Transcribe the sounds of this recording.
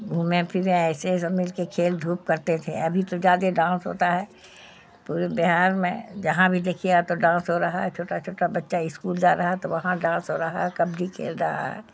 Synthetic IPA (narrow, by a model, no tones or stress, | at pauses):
uːmẽpʰimẽɛːsesɐmɪlkekʰeːld̪ʱuːp̚kɐɾt̪et̪ʰeɐbʱit̪ozjaːd̪eɖãːnsɦo̰ːt̪aɦɛ | puːɾebɪɦaːɾmẽd͡ʒɐɦãbʱid̪eːkʰiat̪oɖãːsɦoɾɐɦaɦɛt͡ʃʰoːʈat͡ʃʰoːʈabɐtːʃaɪskuːld͡ʒaːɾɐɦaɛt̪oʋɐɦãɖãːsɦoɾɐɦa̰ɦɛkɐbd͡ʒʱikʰḛːld͡ʒaːa̰ɦɛ̰ː